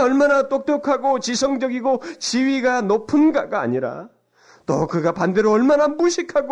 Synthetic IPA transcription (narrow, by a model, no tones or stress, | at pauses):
ʌɭmanat͈ok̚t͈jʌkʰaɡot͡ɕisʰʌŋd͡ʑʌɡiɡot͡ɕiɥiɡanopʰɯnɡaɡa̰ːɲiɾa̰ | t͈ʌ̰kɯɡapande̞ɾoʌɭmanamuɕʰikʰaɡo